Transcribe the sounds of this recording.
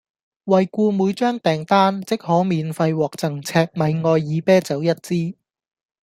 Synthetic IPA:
wɐ˨jkʷuː˧muː˨˧jt͡ʃœː˥ŋt̪ɛː˨˩ŋt̪aː˥nt͡sɪ˥k̚hɔː˨˥miː˨nfɐ˧jwɔː˨k̚t͡sɐ˨˩ŋt͡sʰɛː˧k̚mɐ˨˧jŋɔː˧jːiː˨˧pɛː˥t͡sɐ˨˥wjɐ˥t̚t͡siː˥

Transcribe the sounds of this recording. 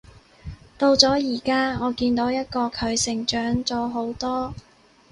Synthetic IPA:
t̪o˧wt͡sɔː˨˥jiː˨˩kaː˥ŋɔː˨˧kiː˧nt̪o˨˥wjɐ˥t̚kɔː˧kʰɵ˨˧ɥsɪ˨˩ŋt͡ʃœː˨˥ŋt͡sɔː˨˧ɦo˨˥wt̪ɔː˥

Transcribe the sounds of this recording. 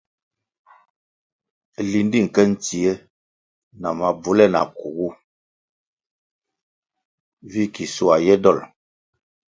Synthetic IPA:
li˨n˦di˦˨ŋ̩˨kɛ˦n̩˦ti˨e˦ | na˨ma˨bu˨lɛ˦˨na̰˨ku˨ɡu˦ | vi˦ki˨su˨a˨jɛ˦dɔ˦˨l

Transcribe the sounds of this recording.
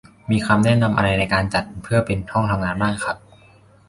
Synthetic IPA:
miː˧kʰa˧mnɛ˥˩na˧mʔa̰˧ɾa˧jna˧jkaː˧nt͡ɕa˨˩t̪̚pʰɯ˥˩ɐpe˧nt̪ʰɔ˥˩ŋt̪ʰa˧mŋaː˧nbaː˥˩ŋkʰa˧˦˥p̚

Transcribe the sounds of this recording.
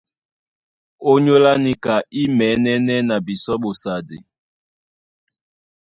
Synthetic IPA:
o˦ɲo˦la˦ni˦ka˨i˦mɛ˨˦nɛ˦nɛ˦na˨bi˨sɔ˦ɓo˨sa˨dḛ˨

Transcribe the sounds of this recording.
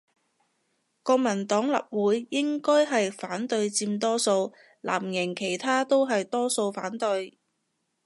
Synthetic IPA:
kɔː˧k̚mɐ˨˩nt̪ɔː˨˥ŋlɐ̰˨p̚wuː˨˥jːɪ˥ŋkɔː˥jɦɐ˨jfaː˨˥nt̪ɵ˧ɥt͡siː˧mt̪ɔː˥so˧w | la̰ː˨˩mjɪ˨˩ŋkʰe˨˩jt̪ʰaː˥t̪o˥wɦɐ˨jt̪ɔː˥so˧wfaː˨˥nt̪ɵ˧j

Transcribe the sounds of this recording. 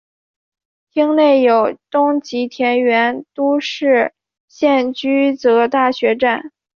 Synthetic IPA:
t̪ʰi˥ŋne˥˩ɪjo˨˩ʊt̪ʊ˥ŋt͡ɕi˧˥t̪ʰjɛ˧˥nɥɛ˧˥nt̪u˥ʂɻ̩˥˩ | ɕjɛ˥˩nt͡ɕy˥t͡sɤ˧˥t̪a˥˩ɕɥɛ˧˥ʈ͡ʂa˥˩n

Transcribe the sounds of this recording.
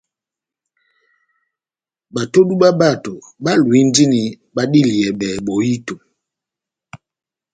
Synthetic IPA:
ɓa˨to˦ɗu˦ɓa˦ba˦˨to˨ | ɓa˦lwi˨˦n˦di˦ni˨ | ɓa˦ɗi˦˨li˨ɛ˨ɓɛ˨ɓo˨ji˦to˨

